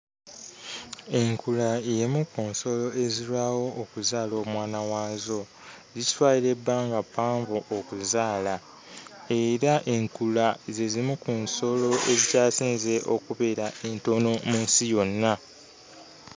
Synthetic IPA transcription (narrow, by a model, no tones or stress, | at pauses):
e̞ŋkulaejemukunso̞lo̞e̞ziɾwaːwo̞ʔːkuzaːlo̞ːmwaːnawaːzo̞ | zitwaːiɾebːaːŋɡapːaːɱvoʔokuzaːla | e̞ɾaʔe̞ŋkulaze̞zimukuːnso̞lo̞ezicaːsiːnze̞ʔo̞̰kuβe̞ɾae̞nto̞no̞muːnsijo̞nːa